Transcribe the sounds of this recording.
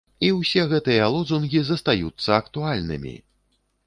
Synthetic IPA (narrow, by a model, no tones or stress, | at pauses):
iwsʲɛɣɛt̪ɨjɐalˠɔd̪zunɣʲizɐst̪ajut̪sːɐɐkt̪ualʲnɨ̰mʲḭ